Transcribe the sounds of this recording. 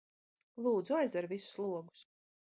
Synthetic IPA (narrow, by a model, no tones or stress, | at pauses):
lˠuːd̪zuajzɛɾvʲisu̥slˠuɔɡu̥s